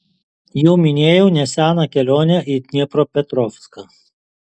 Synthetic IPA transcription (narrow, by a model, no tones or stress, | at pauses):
juːmʲɪnʲeːjɛʊnʲɛsʲæːnɐkʲɛlʲoːnʲɛʔiːt̪ʲnʲɪpɾoːpʲɛt̪ɾɔːfskɐ